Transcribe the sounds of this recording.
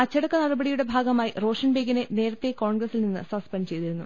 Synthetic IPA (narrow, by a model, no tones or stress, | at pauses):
ɐt͡ɕːɐɽɐkːɐnɐɽɐbɐɽijuɽe̞bʱaːɡɐmaːjiro̞ːʂɐɳbʱeːɡine̞ne̞ːɾɐt̪ːe̞ko̞ːɳɡɾɐsilninːɨsɐspɐnɖt͡ɕe̞jt̪iɾunːu